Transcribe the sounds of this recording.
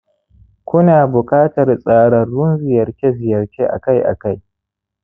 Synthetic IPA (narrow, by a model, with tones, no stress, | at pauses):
kʷʊ˦naː˨bʊ˨kʼaː˦tɐ˨rsʼaː˨ɽɐ˨rːʊ˦nzɪ˨jɐ˨rkʲe˦zɪ˨jɐ˨rkʲe˦ʔa̰˨ka˦jʔa̰˨ka˦j